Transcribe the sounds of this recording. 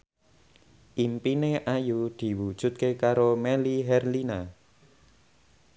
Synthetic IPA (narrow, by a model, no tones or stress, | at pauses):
ʔimpineʔajud̪̥i̤wud̥ʒ̥ṳt̪̚kekaɾomɛliɦɛrlina